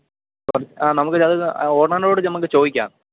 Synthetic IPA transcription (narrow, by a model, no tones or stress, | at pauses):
ɐrɐaːnɐmukːɨɐðɨoːrɳaːnlo̞ːɽɨɐmukːɨt͡ɕo̞ːðikʲːa̰ːn